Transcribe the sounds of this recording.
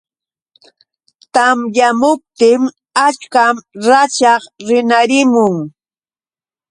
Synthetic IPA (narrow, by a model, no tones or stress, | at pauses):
t̪amjamʊp̚t̪ɪm | at͡ʃkamɾat͡ʃɑχɾɪnaɾɪmʊŋ